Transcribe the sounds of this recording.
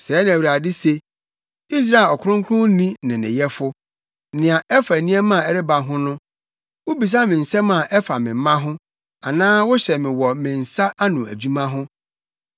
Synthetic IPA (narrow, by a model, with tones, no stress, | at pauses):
sɛ˨˦nã˨æ˨wɥɾa˨dɪ˦se˨ | i˦s̬ɾa˦˨lɔ˨kʰʊ˦ʊ̃˦ŋ˦kʰʊ̃˦nĩ˦nɪ̃˨nɪ̰̃˨jɛ˦fʊ˦ | nɪ̃˨a˨ɛ˦fa˨nĩ˦ɛ˦mã˦˨ɛ˨ɾɪ˦ba˨ɦʊ̃˦nʊ̃˦ | wo˦bi˨s̬a˦mɪ̃˨n̩˨sɛ̃˦mã˨ʔɛ˦fa˨mɪ̃˨m̩˦mã˦ɦʊ̃˦ | a˨nãː˦wʊ˦ɕɛ˨mɪ̃˨wɔ˨mɪ̃˨n̩˨sa˦ʔa˦nʊ̃˨æ̰˨d͡ʑᶣu˦mã˦ɦʊ̃˦